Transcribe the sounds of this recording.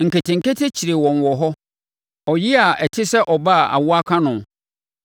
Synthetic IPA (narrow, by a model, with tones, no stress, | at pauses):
ŋ̩˨ke˨tʰɪ̃˨ŋ̩˨ke˦tʰe˦t͡ɕʰi˨ɾe˨wɔ̃˨n˨wɔ˨ɦɔ˦ | ɔ˨jɪ˦a˨ʔɛ˨tʰɪ˦sɛ˦ʔɔ˨ba˦˨a̰˨wʊ˦a˦kʰã˦nʊ̃˨